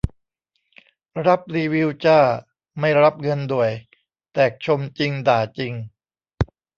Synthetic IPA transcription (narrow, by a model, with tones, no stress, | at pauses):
ɾa˦˥p̚ɾiː˧wi˧˥wt͡ɕaː˥˩ | ma˥˩jɾa˦˥p̚ŋɤ˧ndu˨˩əj | t̪ɛː˨˩k̚t͡ɕʰo˧mt͡ɕi˧ŋdaː˨˩t͡ɕi˧ŋ